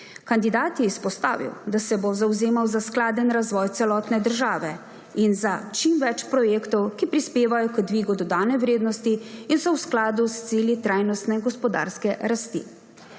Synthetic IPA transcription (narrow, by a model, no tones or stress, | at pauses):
kand̪id̪aːt̪jɛispɔst̪a̰ːʋḭwd̪asɛbozawzeːmawzasklaːd̪ənɾazʋɔːjt̪sɛlɔːt̪nɛd̪əɾʒaːʋɛ | inzat͡ʃimʋɛt͡ʃpɾɔjeːkt̪ɔwkipɾispeːʋajɔkəd̪ʋiːɡud̪ɔd̪aːnɛwɾeːd̪nɔst̪iinsɔwsklaːd̪ust̪siːljit̪ɾaːjnɔst̪nɛɡɔspɔd̪a̰ːɾskɛɾast̪ḭ